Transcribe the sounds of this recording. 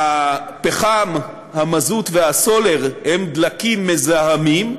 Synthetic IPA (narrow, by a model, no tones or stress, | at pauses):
apeχam | hamazut̪vehaso̞le̞ʁhemd̪lakimːezahamim